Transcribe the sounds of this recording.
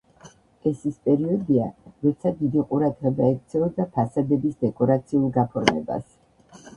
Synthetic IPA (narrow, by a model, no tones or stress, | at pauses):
ɛsispʼɛɾiɔd̪iaɾɔt̪sʰad̪id̪iqʼuɾad̪ʁɛbaɛk̚t̪sʰɛɔd̪apʰasad̪ɛbisd̪ɛkʼɔɾat̪sʰiulˠɡapʰɔɾmɛ̰ba̰s